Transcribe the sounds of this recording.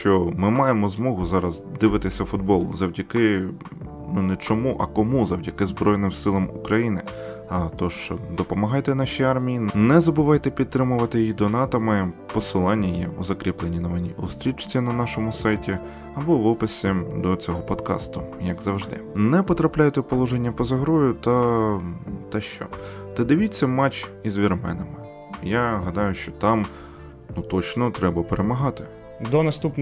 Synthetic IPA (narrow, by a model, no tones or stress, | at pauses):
ʃt͡ʃɔmɪmɑjemɔzmɔɦʊzɑɾɐzd̪ɪʋɪt̪ɪsʲɐfʊd̪̚bɔlˠʊ̰zɐwdʲɐkɪ | nunɛt͡ʃɔmuʔɐkɔmuzɐwdʲɐkɪzbɾɔjnɪmsɪlˠɐmukɾɐjinɪ | ɐt̪ɔʃt͡ʃɔd̪ɔpɔmɐɦɑjt̪ɛnɑʃiɑrmʲijinɛzɐbʊʋɑjt̪ɛpʲid̪̚t̪ɾɪmʊʋɐt̪ɪjjid̪ɔnɑt̪ɐmɪpɔsɪlˠɑnʲːijɛ̰uzɐkɾʲiplˠenʲinɔʋɪnʲiʔṵst̪ɾʲit͡ʃt͡sʲinɐnɑʃɔmʊsɑjtʲi | ɐbɔʋɪpɪsʲɪd̪ɔt͡sʲɔɦɔpɔd̪kɑ̰st̪ʊjɐɡzɐwʐd̪ɪ̰nɛpɔt̪ɾɐplʲajt̪ɛpɔlˠɔʒenʲːɐpɔzɐɦɾɔjʊt̪ɐ | t̪ɛʃt͡ʃɔ̰t̪ɐd̪ɪʋʲit͡sʲːɐmɑt͡ʃizʲʋʲirmɛ̰nɐmɪ | jaɦɐd̪ɑjʊʃt͡ʃɔt̪ɑm | nut̪ɔt͡ʃnɔt̪ɾɛbɐpeɾʔemɐɦɑt̪ɪ | d̪ɔnɐst̪upn